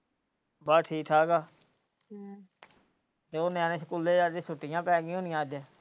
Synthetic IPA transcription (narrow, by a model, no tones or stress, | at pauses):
baːʈʰiːkʰaːɡaː | t̪eːoːneãːnẽːsəkuːleːd͡ʒaːd̪eːsʊʈːɪjãːpɛːɡĩɦõːnɪjãːd̪ẽː